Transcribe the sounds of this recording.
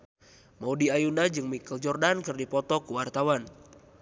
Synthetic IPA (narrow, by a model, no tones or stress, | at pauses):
mɔudiajunad͡ʒɨŋmikəld͡ʒɔrdankɨrdipɔt̪ɔkuwart̪awan